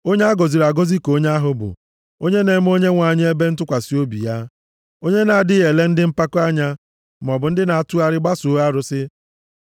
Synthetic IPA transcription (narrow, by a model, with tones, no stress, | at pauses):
o˦ɲe˦a˦ɡɔ˨zi˨ɾa˨ɡo˦zi˦ko˦ɲe˦a˦ɦʊ˦bʊ̰˨ | o˦ɲe˦ne˨˦m̩˦o˦ɲe˦ŋʷa˨ɲɪ˦e˦be˦n̩˦tʊ˦kʷa˨si˦o˦bḭ˨ja˦ | o˦ɲe˦na˨a˨dɪ˦ɣe˨le˦n̩˦dɪ˦m̩˦pa˦kʊ˦a˦ɲa˦ | m̩˨ɔ˨bʊ˨n̩˦dɪ˦na˨a˨tu˦a˦ɾɪ˦ɡ͡ba˦su˨˦a˦ɾʊ˨sɪ˦